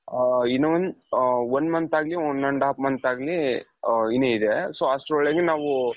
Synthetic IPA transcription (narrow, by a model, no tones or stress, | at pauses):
inɐʋɐnʋɐnd̪mɐnt̪aːɡlionoɳɖaːpmɐnt̪aːɡli | ineid̪esoːasɾɔɭeɡenaːʋu